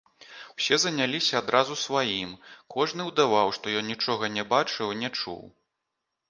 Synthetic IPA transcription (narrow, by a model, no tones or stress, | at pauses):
w̥sʲɛzɐnʲalʲisʲɐːd̪ɾʔazusvajimkʰɔʐnɨwd̪avawʂt̪ɔjɔnnʲit͡ʂɔɣɐnʲɛbat͡ʂɨwnʲɛt͡ʂṵw